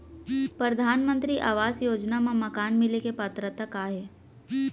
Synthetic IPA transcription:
pɾəd̪ʱaːnmə̃nt̪ɾiʔa̰ːʋaːsjoːd͡ʒnamãmɐkaːnmɪlekepɐt̪ɾət̪əkaːɦe

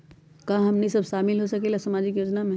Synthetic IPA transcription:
kãɦɐmnisɐbʃaːmɪlɦosɐkelasɐmaːd͡ʒɪkjoːd͡ʒnamẽ

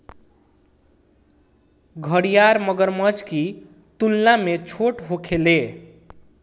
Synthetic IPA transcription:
ɡʱʌɽijaɾmʌɡʌɾmʌd͡zki | t̪ulnamet͡sʰoʈɦokʰele

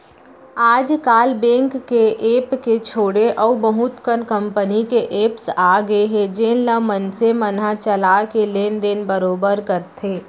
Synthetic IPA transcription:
aːd͡ʒkaːlbɛ̃ːŋkːeʔeːpket͡ʃʰoːɽeʔɔubəɦut̪kənkə̃mpənikeʔeːpsaːɡəeɦɛ̃d͡ʒeːnləmənsemənɦat͡ʃəlaːkeleːnd̪enbəɾoːbəɾkəɾt̪ʰeː

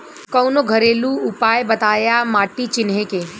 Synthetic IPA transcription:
kɔːnoɡʱɐɾeːluʊpaːjbɐt̪aːjamaːʈit͡ʃɪnɦekeː

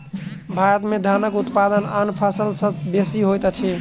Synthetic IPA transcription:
bʱaɾət̪med̪ʱanəkut̪pad̪ənanpʰasəlsəbesiɦojt̪t͡ʃʰi

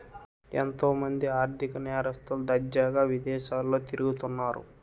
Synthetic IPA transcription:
ḛnt̪o̞ːmɐnd̪iaːɾt̪ʰikɐnɛːɾɐst̪uld̪ɐd͡ʒaːɡaːʋid̪ɛːʃaːlːo̞ːt̪iɾuɡut̪unːaːɾṵ

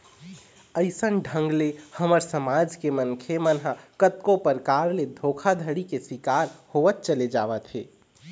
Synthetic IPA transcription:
əɪsənɖʱə̃ŋɡlehəməɾsəmaːd͡ʒkemənkʰemənɦakət̪kõpəɾkaːɾled̪ʱokʰad̪ʱəɽikesɪkaːɾhoʋət̪̚t͡ʃəled͡ʒaːʋət̪ʰɦeː

